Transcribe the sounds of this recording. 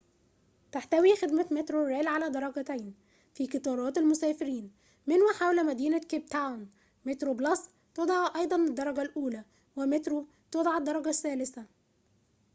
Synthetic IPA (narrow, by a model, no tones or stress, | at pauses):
t̪aħt̪æwixed̪mæt̪met̪ɾoɾelʕalæd̪ɑɾˤɑɡɑt̪æjn | fiːket̪ˤɑːɾˤɑːt̪elmosæːfɪɾiːn | mɪnwæħawlæmæd̪iːnækeb̚t̪awn | met̪ɾoblɑs | t̪od̪ˤɑʕʔɑjd̪ˤɑnɪd̪ːɑɾˤɑɡælʔuːlæ | wemet̪ɾo | t̪od̪ˤɑʕed̪ːɑɾˤɑɡæsːæːlɪsæ